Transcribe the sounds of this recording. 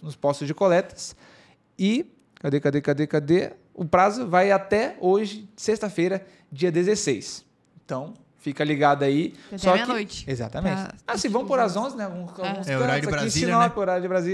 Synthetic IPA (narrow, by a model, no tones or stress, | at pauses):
nʊspɔst̪ʊzd͡ʒɪkolɛt̪ɐ̥s | ɪ | kad̪ekad̪ekad̪ekad̪e | ʊpɾazʊvajat̪ɛoʒɪsest̪ɐfejɾɐ | d͡ʒiɐd̪ezesejs | ẽt̪ɐ̃w̃ | fikɐliɡad̪ɐaisɔkɪojt͡ʃɪ̥eza̰t̪ɐmẽt͡ʃɪasĩvɐ̃w̃poɾazõznɛaɡũsawɡɡũsɛɐ̃ɾazaɾkĩsĩnɔpkoɾajɐd͡ʒɪbɾazi